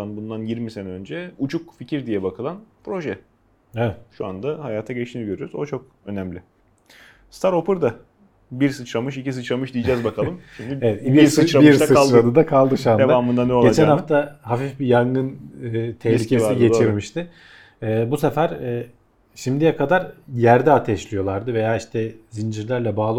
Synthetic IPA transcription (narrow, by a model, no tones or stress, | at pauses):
anbund̪anjiɾmisenɛønd͡ʒɛut͡ʃʰukficʰiɾd̪ijɛbakʰɯlˠanpʰɾo̞ʒɛ | ɛɛt̪ʃua̰nd̪ahajaːt̪ʰaɟɛt͡ʃt̪ʰiniɟø̞ɾyjoɾuzot͡ʃʰo̞k̚ | ø̞næmlʲɪ | st̪aɾo̞pʰɯɾd̪a | biɾsɯt͡ʃɾamɯʃicisɯt͡ʃɾamɯʃd̪ijid͡ʒɛzbakʰalˠɯmʃimd̪ievɛt̪bist͡ʃbiɾsɯɾad̪ɯd̪akʰalˠd̪ɯʃuaned̪aaːmɯnd̪anɛoɟe̞t͡ʃʰɛnnhaft̪ʰaɦafifbijaŋɡɯnɯt̪ʰɛlʲieiɡɟe̞t͡ʃʰiɾmiʃt̪ʰɪː | buse̞fæɾɛː | ʃimd̪ijɛkʰad̪aɾjæɾd̪ɛat̪ʰɛʃlʲijo̞lˠaɾd̪ɯve̞jaːiʃt̪ʰɛzind͡ʒiɾlʲæɾlʲɛbaːlˠɯ